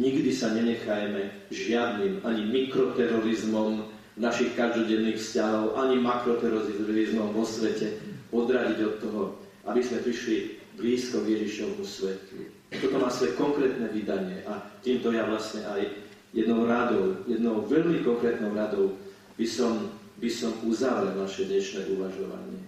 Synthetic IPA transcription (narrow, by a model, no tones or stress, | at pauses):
ɲiɡd̪isaɲɛɲɛxajmɛ | ʒɪad̪niːmaɲimikɾɔt̪ɛɾɔɾizmɔm | naʃixkaʒd̪ɔɟɛnːiːxfscaɦɔʊʔaɲimakɾɔt̪ɛɾɔiizmɔmʋɔsʋɛcɛɔd̪ɾaɟiɟɔt̪ːɔɦɔ | ʔabizmɛpɾiʃli | bliːskɔɡjɛʒiʃɔʋmusʋɛt̪ṵ | t̪ɔt̪ɔmaːsʋɔjɛkɔŋkɾɛːt̪nɛʋid̪aɲɪɛʔat̪iːmt̪ɔjaʋlasɲɛʔaj | jɛd̪nɔʊɾad̪ɔʊjɛd̪nɔʊʋɛʎmikɔŋkɾɛːt̪nɔʊɾad̪ɔʊ | b̥isɔm | bisɔmuzaʋɾɛlnaʃɛd̪ɲɛʃnɛːʔuʋaʒɔʋa̰ɲɪɛ